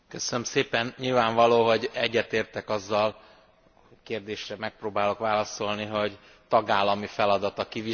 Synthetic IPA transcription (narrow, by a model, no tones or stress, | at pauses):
køsønømseːpɛnɲilvaːɱvɒloːɦo̞ɟɛɟːɛt̪eːrt̪ɛkɒzːɒl | ockeːrd̪eːʃrɛmɛk̚proːbaːlo̞kʋaːlɒso̞lniɦo̞ɟ | t̪ɒɡaːlːɒmifɛlɒd̪ɒt̪ɒkivi